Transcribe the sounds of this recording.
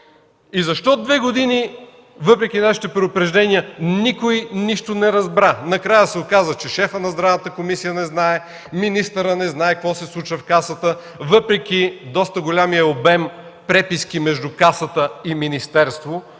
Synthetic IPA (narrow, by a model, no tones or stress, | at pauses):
izɐʃt̪ɔd̪vɛɡod̪ini | vɤpɾɛk̟inaʃi̥t̪ɛpɾɛd̪ʊpɾɛʒd̪ɛnijənikojniʃt̪onɛɾɐzbɾanɐkɾajəsɛokazət͡ʃɛʃɛfənɐzd̪ɾavnət̪əkomisijənɛznaɛ | minist̪əɾənɛznaɛkvɔsɛslˠut͡ʃvəfkasət̪ə | vɤpɾɛk̟ʲid̪ɔst̪əɡolʲamijɐobɛmpɾɛpiskimɛʒd̪ukasət̪əiminist̪ɛɾst̪vo